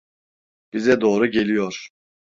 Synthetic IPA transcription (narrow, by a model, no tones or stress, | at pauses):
b̥izɛd̪oːɾuɟe̞lʲijoɾ̥